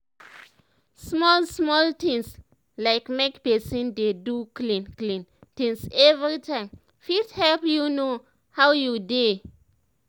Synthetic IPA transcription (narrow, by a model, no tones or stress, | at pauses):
smɔlsmɔltĩŋs | laɪkmekpɛsĩndeduklĩnklĩntĩŋsɛvɹitʰãɪ̃m | fithɛlpjuno | hawjude